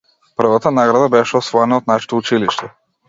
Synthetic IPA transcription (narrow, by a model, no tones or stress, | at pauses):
pr̩vat̪anaɡɾad̪abɛʃɛɔsvɔɛnaɔt̪naʃɛ̥t̪out͡ʃiliʃt̪ɛ